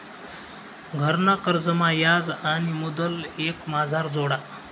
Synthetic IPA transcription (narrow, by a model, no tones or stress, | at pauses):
ɡʱəɾnakəɾd͡zəmajad͡zanimod̪əlekmad͡zʱaɾd͡zoɽa